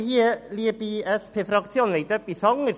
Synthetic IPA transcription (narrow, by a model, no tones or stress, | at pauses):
hiːəliːəbiɛspʰeːfɾɑk̚t̪sjoːnʋejt̪œpːisɔŋəɾ